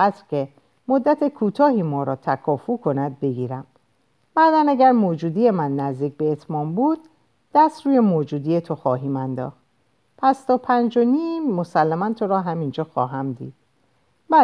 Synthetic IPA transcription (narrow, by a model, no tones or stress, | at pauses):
æt̪ɾcʰe | mod̪ːæt̪ʰe̞kʰuːt̪ʰɒːhiːmɒːɾɒːt̪ʰækʰɒːfukʰo̞næd̪̚be̞ɡiːɾæm | bæɾd̪ænæɟæɾmoːd͡ʒuːd̪ije̞mænːæzd̪iːc̚be̞ːt̪ʰmɒːmbuːd̪̥̚ː | æst̪ɾuːje̞moːd͡ʒuːd̪ijet̪ʰo̞xɒːɦiːmænd̪ɒ̰ːxt̪ | pʰæst̪ʰɒːpʰænd͡ʒoniːmːo̞sælːæmænt̪ʰo̞ɾɒːɦæmind͡ʒɒːxɒ̰ːɦæmd̪ḭːd̪̥̚ | bæ